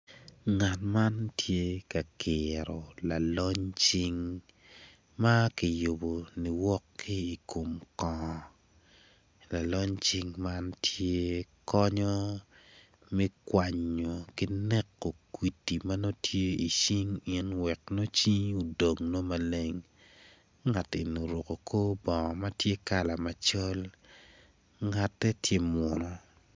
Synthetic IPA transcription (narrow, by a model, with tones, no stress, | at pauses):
ŋa˨tma˦ntʰje˦ka˨kʰɪɾɔ˨la˨lɔ˦ɲt͡ʃi˦ŋ | ma˦ki˨jo˨bo˨ni˨wɔ˦kːi˦i˨kʰo˨mkɔ̃˨ | la˨lɔ˦ɲt͡ʃi˦ŋma˦ntʰje˦kɔ˦ɲɔ˦ | mɛ˦kwa˨ɲo˨kɪ˦nɛ˦kːo˨kwi˨ti˨ma˦no˦tʰje˦i˨t͡ʃi˦ŋɪ˦nwɛ˨kno˦t͡ʃi˦ɲu˨do˨ŋno˦ma˨le˦ŋ | ŋa˨te˨no˨ɾo˨ko˨kʰo˦bɔ˨ŋɔ˨ma˦tje˦ka˨la˨ma˨t͡ʃɔ˦l | ŋa˨tːɛ˦tje˦mɔ˨nɔ˨